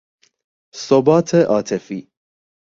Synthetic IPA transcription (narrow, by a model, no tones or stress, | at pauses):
sɔbaːt̪ʰɛʔaːt̪ʰɛfi